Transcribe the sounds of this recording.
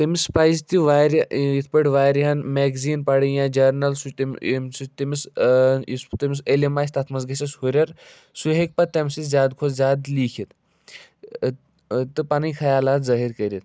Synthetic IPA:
t̪ɐmispaːjzt̪iʋaːɾjit̪ʰpɐʈʋaːɾiɦɐnmeːɡziːnpɐɽɐjãːd͡ʒɐɾnɐlsut̪sut̪imisist̪ɐmis̬elimaːsʲt̪ɐt̪ʰmɐzɡɐsʲɐshuɾʲɐɾ | suɦek̚pɐt̪ɐmsizʲjaːd̪kʰozzʲjaːd̪liːkʰit̪ | t̪ɨpɐnijkʰɐjaːlaːt̪zɐɦiɾkɐɾʲit̪

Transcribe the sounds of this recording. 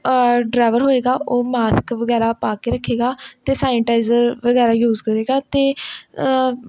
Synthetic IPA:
ɖɾaːʋəɾɦoːeːɡaːʔoːmaːskʋəɡɛːɾaːpaːkeːɾəkʰːeːɡaːt̪eːsaːɪʈaːɪzəɾʋəɡɛːɾaːjuːzkəɾeːɡaːt̪eː

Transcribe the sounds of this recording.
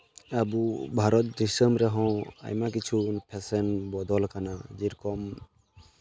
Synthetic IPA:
abubʱaɾɔt̪̚d̪isəmɾɛɦɔ̃a̰jmakit͡ʃʰunpʰɛsɛnbɔd̪ɔlkanad͡ʒiɾkɔm

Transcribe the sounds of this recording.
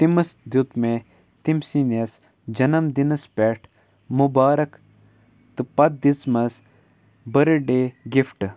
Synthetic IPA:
t̪imɐsd̪jut̪me | t̪imsinɐs | d͡ʒɐnɐmd̪inɐspeːʈʰ | mubaːɾɐk | t̪ɨpɐd̪̚d̪it͡smɐs | bɐɾɖeːɡifʈ

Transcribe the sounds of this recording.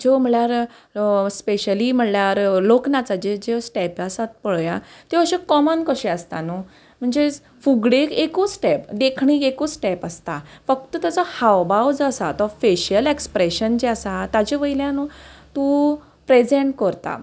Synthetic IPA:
d͡ʑom̤əɭjaɾ | speɕəlim̤əɳljaɾloknat͡sad͡ʑed͡ʑesʈɛpasat̪̚pəɭjat̪eəɕekɔmənkəɕẽəst̪anu | m̤əɳd͡ze | fuɡɽekekosʈɛpd̪ekʰɳikekosʈɛpəst̪afək̚t̪ət̪jat͡sahawbawd͡zəsat̪ɔfeɕəlekspɾeɕənd͡ʑeasat̪ad͡ʑeʋəjljãnɔt̪ũ | pɾed͡zeɳʈkəɾt̪a̰

